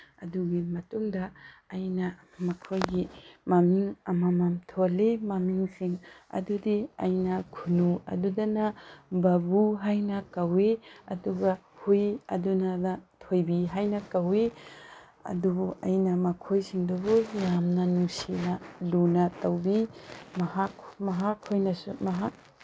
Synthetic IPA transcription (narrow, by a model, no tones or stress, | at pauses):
ɐ̰duɡimɐtuŋdɐːjnɐ | mɐkʰojɡimɐmiŋɐmɐmamtʰolemɐmiŋsiŋɐ̰dudiɐ̰jnɐkʰunuɐ̰dudɐnɐbɐbuɦajnɐkɐweɐ̰duɡɐ | hujɐdunɐnɐtʰojbiɦajnɐkɐwe | ɐ̰dubuɐjnɐmɐkʰojsiŋdubujamnɐnuŋsinɐlunɐtɐwbimɐhakmɐɦakhojnɐsṵmɐɦak̚